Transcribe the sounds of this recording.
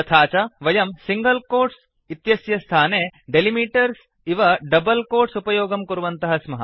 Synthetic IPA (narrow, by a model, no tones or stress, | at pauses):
ɐt̪ʰaːt͡ʃɐʋɐjɐmsiŋɡɐlkoːɾs | it̪jɐsjɐst̪ʰaːneɖelimiːʈɐɾs | iʋɐɖɐbɐlkoːɾsupɐjoːɡɐmkuɾʋɐnt̪ɐɦɐsmɐɦɐ̰